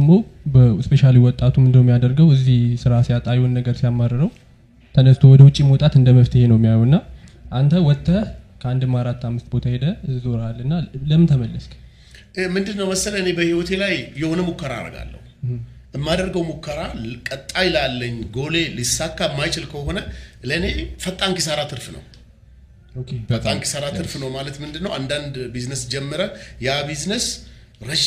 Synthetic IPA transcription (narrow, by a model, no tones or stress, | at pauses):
d̪əmːo | bəspeʃaluwiwɔt̪ʼːat̪ʰumɨnd̪əwmːijad̪əɾɡəwɨzːihsɨɾasijat̪ʼajnːəɡəɾsijamːəɾːɨɾəw | t̪ʰənəst̪ʰowɔd̪əwʊt͡ʃʼːimot̪ʼat̪ɨnd̪əməft̪ʰəhenəwjmːijajuɨnːa | ʔant̪ʰəwɔt̪ʰːəkʰəand̪ɨmːaɾat̪ːamːɨst̪̚bo̞t̪ʰahe̞d̪əzoɾalːɨnːaləmɨnt̪ʰəməlːəsk | mɨnd̪ɨnːəwməsələɨnebəhiwɔt̪ʰe̞lajːɛho̞nəmukːəɾa̰ɾə̰ɡa̰lːə̰hu | ʔɨmːad̪əɾɡəwmukːəɾakʼət̪ʼːajɪlalːəɲːɡo̞le̞lisːakːaɨmːajt͡ʃɪlkʰəɦo̞nələɨne̞fət̪ʼːaŋkis̬əɾat̪ʰɨɾfnə̰w | okʰefət̪ʼːaŋki̥səɾat̪ʰɨɾfnəwmalət̪mɨnd̪ɨnːəwand̪and̪biznəsd͡ʒɛmːəɾəjabiznəs | ɾə